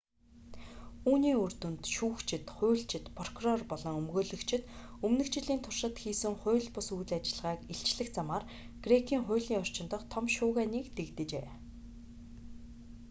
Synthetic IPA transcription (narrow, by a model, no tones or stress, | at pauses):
uːniːɵrt̪ɘ̆nt̪ʃuːkt͡ɕʰɪ̆t̪χʊ̟ːɮt͡ɕʰɪ̆t̪pʰɔr̥kʰurɔrpɔɮɞ̆ŋɵmɣoːɮɵ̆kt͡ɕʰɪ̆t̪ɵmnɵ̆kt͡ɕɪ̆ɮiːnt̪ʰʊrʃə̆t̪xiːsɘ̆ŋχʊ̟ːɮpʊsujɮat͡ɕɪ̆ɮʁaːkiɬt͡ɕɮɘ̆xt͡samaːr | ɡ̥rekʰiːŋχʊ̟ːɮiːŋɔr̥t͡ɕɪ̆nt̪ɞ̆qt̪ʰɔmʃʊːɣæːniːkt̪ekt̪ɘ̆t͡ɕḛː